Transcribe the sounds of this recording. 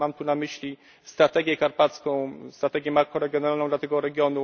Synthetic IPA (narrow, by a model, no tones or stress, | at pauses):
amt̪unamɘɕlʲi | st̪ɾat̪ɛɡʲjɛkaɾpat̪skɔ̃w̃st̪ɾat̪ɛɡʲjɛmaɾkɔ̃ɾɛɡʲjɔnɛalnɔ̃w̃d̪lat̪ɛɡɔɾɛɡʲjɔnu